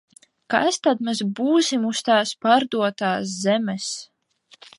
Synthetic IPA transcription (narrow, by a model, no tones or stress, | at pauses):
kast̪ad̪mɛzbuːsimust̪aːspaɾd̪uɔt̪aːs̬zɛmɛs